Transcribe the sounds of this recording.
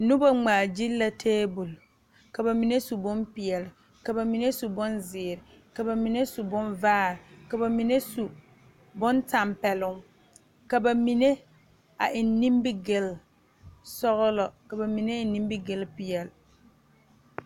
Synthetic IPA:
nʊ˦ba˦ŋ͡maː˨d͡ʒi˦lːa˨tʰeː˦bʊ˨l | ka˨ba˨mi˨ne˦su˨bʊ˦npɪ˨ɛ˨lɪ˨ | ka˨ba˨mi˨ne˦su˨bʊ˦nzɪː˨ɾɪ˨ | ka˨ba˨mi˨ne˦su˨bʊ˦nvaː˦˨ɾɪ˨ka˨ba˨mi˨ne˦su˨ | bʊ˦nta˨mpɛ˨lʊ˦ŋ | ka˨ba˨mi˨ne˦ | a̰˨ʔɪ˨nːi˦mbɪ˦ɡɪ˨l | sɔ˦ɣʊ˦lɔ˨ka˨ba˨mi˨ne˦ɪ˨nːi˦m˦bɪ˦ɡɪ˦lpɪ˨jɛ˨lɪ˨

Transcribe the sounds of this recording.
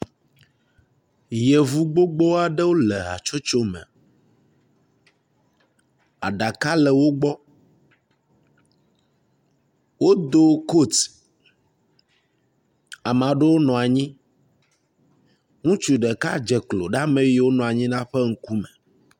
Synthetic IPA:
je˨vu˦ɡ͡bo˦ɡ͡bo˦a˨ɖɛ˦wo˦lɛ˨a̰˨t͡ʃo˦t͡ʃo˦mɛ̰̃˨ | a̰˨ɖa˨ka˦lɛ˨wo˦ɡ͡bɔ˦ | wo˦d̪o˦ko˦˨t̪ | a˨mã˨ɖɛ˦wo˦nɔ̃˨a˨ɲĩ˦ | ŋũ˦t͡ʃu˨ɖɛ˨ka˦d͡ʒɛ˨klo˨ɖa˦mẽ˦je˨wo˦nɔ̃˨a˨ɲĩ˦nã˦ɸɛ˦ŋ̩˦ku˦mɛ˨

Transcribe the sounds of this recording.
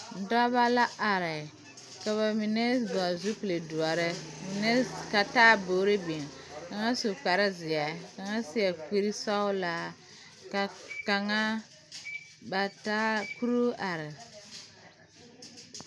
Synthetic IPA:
n̩˨da˦ba˦la˦ʔa˨ɾɪ˨ | ka˨βa˨mi˨ne˦dɔ˨a˨zu˦pi˨le˨du˨a˨ɾɪ˦m˨n˦ka˨taː˦boː˨˦ɾe˦bi˨n˨ | ka˨ŋa˦su˨k͡pa˨ɾɪ˦zɪ˨a˨ka˨ŋa˦si˦a˨k͡pi˦ɾi˦sa˦ʊ˦la˦ | ka˨ka˨ŋa˦ | ba˨ta˦ku˦ɾo˦ʔa˨ɾɪ˨

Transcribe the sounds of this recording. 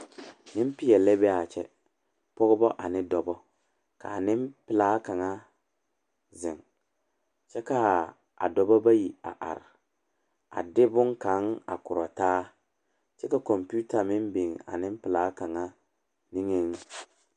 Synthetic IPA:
nɪ˦m˦pɪ˦jɛ˨lɛ˦bɛ˦a˨t͡ʃɛ̰˨ | pɔ˦ɣʊ˦bɔ˦ʔa˨nɪ˦dɔ˨bɔ˦ | ka̰˨nɪ˦mpɪ˦˨laː˦ka˨ŋa˦ | zɪ˨ŋ | t͡ʃɛ˦ka˨ | a̰˨dɔ˨bɔ˦ba˦ji˨a̰˨ʔa̰˨ɾɪ˨ | a̰˨dɪ˦bʊ˦ŋka˨˦ŋa̰˨kʊ˨ɾɔ˨taː˦ | t͡ʃɛ˦ka˨kɔ˨mpu˦ta˨mɪ˦mbe˨ŋa̰˨nɪ˦m˦pɪ˨laː˨˦ka˨ŋa˦ | ni˦ŋe˨ŋ˦

